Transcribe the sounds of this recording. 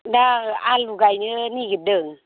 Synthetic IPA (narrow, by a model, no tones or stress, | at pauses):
daaluɡajnɯniɡədɯŋ